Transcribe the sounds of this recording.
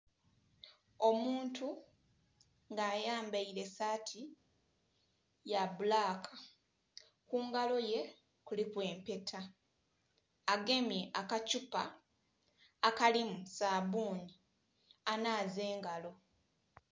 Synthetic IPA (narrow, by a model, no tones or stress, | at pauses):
o̞muːntu | ŋɡaːjaːmbaiɾe̞saːtʰi | jabulaːkʰḁ | kuːŋɡalo̞je̞ | kulikwe̞ːmpe̞tʰa | ɡe̞mjeʔakacupa̰ | kalimusabuːni | anaːze̞ːŋɡalo̞